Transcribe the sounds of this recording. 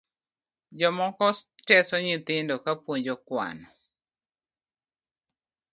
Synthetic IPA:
d͡ʒɔmɔkɔst͡ʃɛsɔɲɪt̪ɪndɔkapwoɲd͡ʒɔkwa̰nɔ

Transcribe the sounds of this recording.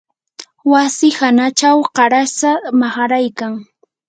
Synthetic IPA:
wasɪhanat͡ʃawqɑɾasamaχɑɾajkaŋ

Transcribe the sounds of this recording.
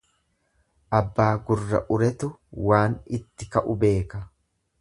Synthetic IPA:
ʔɐbːaːɡʊrːɐ̰ʔʊɾɛt̪ʊwaːnɪt̪ːɪkɐʔʊbe̞ːkɐ

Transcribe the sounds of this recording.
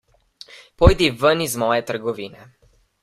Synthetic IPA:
pojd̪ivənizmɔjɛt̪əɾɡɔviːnɛ

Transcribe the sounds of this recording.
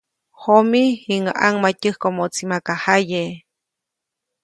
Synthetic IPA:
homiiŋa̰ʔaŋmacɨhkomot͡simakahaje

